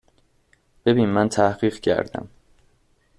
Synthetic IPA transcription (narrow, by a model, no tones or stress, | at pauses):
b̥e̞biːnmænt̪ʰæhɢiːɢcʰæ̰ɾd̪æ̰m